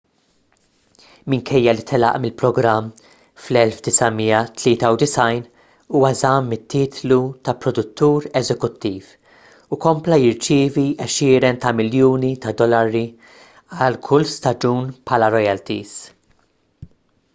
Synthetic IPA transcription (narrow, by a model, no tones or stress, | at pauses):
mɪŋkʰɛjːɐlit̪ʰɛlɐ̰ʔmɪlpɾɔɡɾɐmː | flɛlfd̪ɪsɐmiːɐt̪lɪːt̪ɐwd̪ɪsɐjn | uːwɐzɐːmːɪt̪ːiːt̪lut̪ɐpɾɔd̪ʊt̪ːuːɾɛzɛkʊt̪ːiːf | ukɔmplɐjɪɾt͡ʃɪːviʔɛʃɪːɾɛnt̪ɐmɪljuːnit̪ɐd̪ɔlɐɾi | ɐlkʰʊlst̪ɐd͡ʒuːnpħɐːlɐɾɔjɛlt̪iz